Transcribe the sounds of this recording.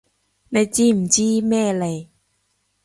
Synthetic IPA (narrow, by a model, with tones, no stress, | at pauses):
na˧jt͡ɕiː˦˥˨m̩˨˩t͡ɕiː˥mɛː˥˩˨le˨˩j